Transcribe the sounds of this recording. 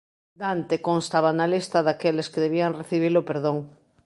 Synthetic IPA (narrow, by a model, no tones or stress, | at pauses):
d̪ant̪ekõnst̪aβanalist̪aðakeleskeðeβ̞iaŋreθiβilopeɾðoŋ